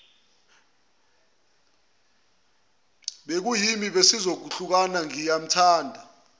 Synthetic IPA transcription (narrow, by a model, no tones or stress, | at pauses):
ɓek̬ujimiɓesizok̬uɬuk̬anaŋijam̩tʰaːndʱa